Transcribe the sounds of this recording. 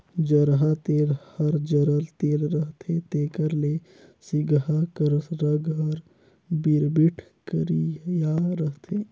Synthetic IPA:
d͡ʒəɾɦat̪eːlhəɾd͡ʒəɾəlt̪eːlɾəɦt̪ʰet̪eːkəɾle | siɡɦakəɾəsɾəɡəɾ | biɾbiʈʰ | kəɾijaɾəɦt̪eː

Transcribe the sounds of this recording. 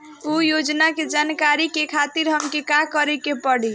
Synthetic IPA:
ujod͡ʒnaked͡ʒankaɾikekʰat̪iɾɦəmkekakəɾekepəɽi

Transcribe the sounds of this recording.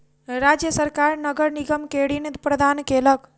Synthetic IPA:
ɾaːd͡ʒjəsəɾkaːɾnəɡəɾniɡəmkeɽinit̪pɾəd̪ʱaːnkeːlək

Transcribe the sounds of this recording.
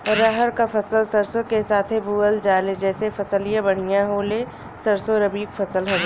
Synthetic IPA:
ɾaɦəɾkafʰɐsəlsɐɾsokesaːt̪ʰɦebuːəld͡ʒaːled͡ʒɛːsefɐsəlijãbɐɽ̤ijãɦoːle | sɐɾsoɾɐbiːkfʰɐsəlɦɐɡa

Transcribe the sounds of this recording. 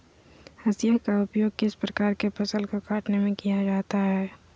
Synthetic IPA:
hɐsijəkaʊpjoːɡ̚kɪspɾəkaːɾkepɐsəlkoɡaːʈnemẽkijad͡ʒaːt̪aɦɛː

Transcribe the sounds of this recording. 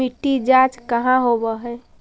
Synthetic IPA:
iʈːid͡ʒaːt͡ʃkəɦãɦobəɦɛː

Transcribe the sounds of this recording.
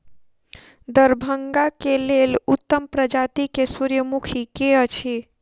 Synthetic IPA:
d̪əɾbʱəŋɡakelelut̪ːəmpɾəd͡ʒat̪ikesuɾjəmukʰikeət͡ʃʰe

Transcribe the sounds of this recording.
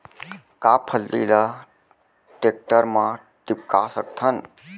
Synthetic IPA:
kapʰəlːḭla | ʈek̚ʈəɾmã | ʈɪp̚kasək̚t̪ʰən

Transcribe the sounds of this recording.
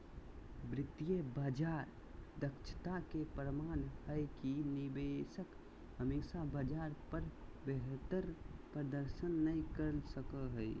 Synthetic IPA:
bɾɪt̪ːijəbad͡ʒaɾ | d̪əkt͡ʃʰə̥t̪akepɾəmanhəkinibesək | ɦəmisabəd͡ʒaɾpəɾbeɦt̪əɾpɾəd̪əɾʃənːəĩkəɾəlsəkəɦəɪ

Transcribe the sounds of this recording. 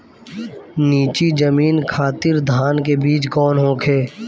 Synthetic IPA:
niːt͡ʃid͡ʒəmiːnkʰaːt̪ɪɾd̪ʱaːnkebiːt͡ʃkɔːnɦõːkʰeː

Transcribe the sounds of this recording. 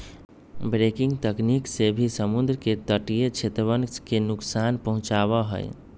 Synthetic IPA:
bɾekiŋɡt̪əkniksebʱisəmund̪ɾket̪əʈijet͡ʃʰet̪ɾəbənskenuksanpəɦũt͡ʃaβəɦə̰j

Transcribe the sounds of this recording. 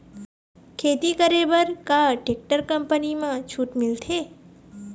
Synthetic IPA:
kʰeːt̪ikəɾebəɾkaʈek̚ʈəɾkəmpənimãt͡ʃʰuːʈmɪlt̪ʰe

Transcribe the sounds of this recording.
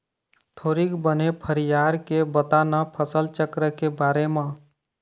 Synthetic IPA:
t̪ʰoːɾikbənepʰəɾijaːɾkebət̪aːnapʰəsəlt͡ʃəkɾəkebaːɾemã

